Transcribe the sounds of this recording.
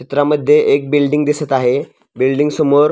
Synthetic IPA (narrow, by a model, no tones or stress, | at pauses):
it̪ɾaməd̪ʱːjeʔek̚bilɖiŋɡd̪isət̪aɦe | bilɖiŋɡsəmoɾ